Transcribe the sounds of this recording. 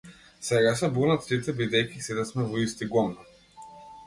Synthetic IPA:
sɛɡasɛbunat̪ɾit̪ɛbid̪ɛjkʲisid̪ɛsmɛvɔist̪iɡɔmna

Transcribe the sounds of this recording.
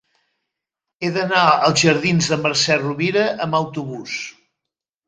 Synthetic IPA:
eðənaəlˠzʒəɾðinzðəməɾsɛruβiɾəʔəməwt̪uβus

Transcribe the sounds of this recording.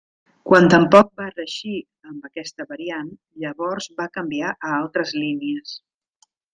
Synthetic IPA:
kwant̪əmpɔk̚barəʃi | əmbəkɛst̪əβəɾian | ʎəβɔɾzbakəmbiaʔəalˠt̪ɾəzliniəs

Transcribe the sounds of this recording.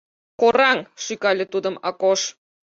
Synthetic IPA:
koɾɑŋʃykɑlʲĕt̪ud̪ə̆mɑkoʃ

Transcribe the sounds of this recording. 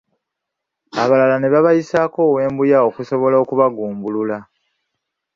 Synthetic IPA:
aβalalane̞βaβajisaːko̞ːwe̞ːmbujao̞kuso̞βo̞laokuβaɡuːmbulula

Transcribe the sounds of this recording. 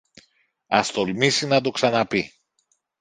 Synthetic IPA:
ɐst̪o̞lmisinɐd̪o̞ksɐnɐpi

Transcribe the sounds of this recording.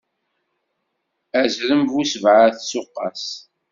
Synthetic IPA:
æzɾəmvusəvʕaθsʊqːɑ̰s

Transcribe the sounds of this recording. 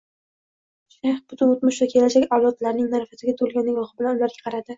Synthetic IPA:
ʃaχb̥ʊt̪ʰʊnot̪mʊʃvakʲʰe̞laʃakʲɒwlɒt̪laɾnɪŋnaɾfasɪɡʲat̪ʰolˠɡʲanːɪŋɒχɪbɪlanʊlaɾɡʲʰḁqʰɑɾad̪ɪ

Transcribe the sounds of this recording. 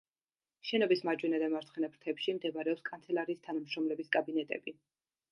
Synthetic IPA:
ʃɛnɔbismad͡ʒwɛnad̪amaɾt̪sχɛnapʰɾt̪ʰɛpʃimd̪ɛbaɾɛɔpskʼant̪sʰɛlˠaɾiːst̪ʰanamʃɾɔmlɛbiskʼabinɛt̪ʼɛ̰bi

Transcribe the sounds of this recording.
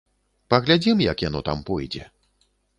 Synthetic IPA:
pɐɣlʲad͡zʲimjɐkjanɔt̪a̰mpɔjd͡zʲɛ̰

